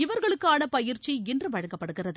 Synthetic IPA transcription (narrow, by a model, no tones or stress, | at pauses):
ɪʋɐɾɣɐɭɯkːaːnɐpɐjɪɾt͡ʃːiɛndrɯʋɐɻɐŋɡɐpːɐɽɯɣɪrɐðɯ